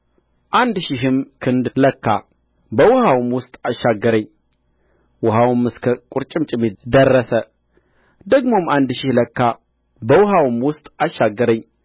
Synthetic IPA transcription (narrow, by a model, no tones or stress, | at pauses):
ʔand̪ʃɪɦɨmkʰɨnd̪ləkʰːa̰ | bəwʊhawmwʊst̪ʼaʃaɡːəɾəɲː | wʊɦawmɨskʰəkʼʊɾt͡ʃʼɪmt͡ʃʼɪmːid̪ərːəsə | d̪əɡmomand̪ʃɪhləkːa | bəwʊhawmwʊst̪ʼaʃːaɡːəɾəɲː